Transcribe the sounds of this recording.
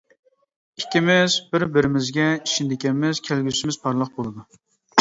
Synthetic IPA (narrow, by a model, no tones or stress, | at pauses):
ikʲʰːimɪzbɪɾbɪɾɪmɪzɡʲɛiʃind̪ɪkʲɛmɪz̥kʲʰælɡʲysɪmɪz̥pʰɑɾlˠəq̚bolˠɨd̪u